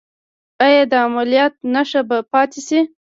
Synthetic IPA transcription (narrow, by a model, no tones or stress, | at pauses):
ajad̪əamalijɑt̪̚naʂabapɑt̪esi